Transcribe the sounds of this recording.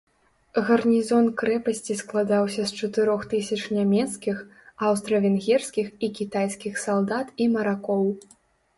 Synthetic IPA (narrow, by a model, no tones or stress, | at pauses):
ɣɐrnʲizɔnkɾɛpɐsʲt͡sʲisklˠad̪awsʲɐst͡ʂɐt̪ɨɾɔxt̪ɨsʲɐt͡ʂnʲamʲɛt̪skʲix | awst̪ɾɐvʲɛnɣʲɛrskʲixikʲit̪ajskʲixsalˠd̪at̪imɐɾakɔw